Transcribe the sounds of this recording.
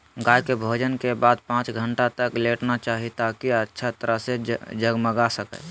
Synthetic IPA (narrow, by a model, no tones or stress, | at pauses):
ɡaːjkebʱoːd͡ʒənkebaːd̪̚pãːt͡ʃɡʱəɳʈat̪əkleːʈnat͡ʃaːɦit̪akiətːʃʰat̪əɾəɦsed͡ʒəɡməɡasəkɛ̰ː